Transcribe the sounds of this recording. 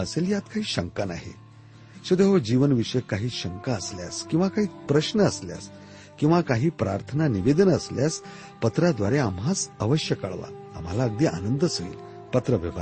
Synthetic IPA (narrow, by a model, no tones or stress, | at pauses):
əseljat̪kaɦiːɕəŋkana̰ɦḛ | ɕed̪eɦod͡ʑiʋənʋiʂəjkaɦiːɕəŋkaəslja̰skĩw̃ʋakaɦiːpɾəɕnəəslja̰s | kĩw̃ʋakaɦiːpɾa̰ɾt̪ʰənaniʋed̪ənəsljas | pət̪ɾad̪ʋaɾeamɦat͡səʋəɕjəkə̰ɭʋa̰ːm̤alaəɡ̚d̪iːʔa̰nənd̪əsɦoḭːl | pət̪ɾəʋiʋa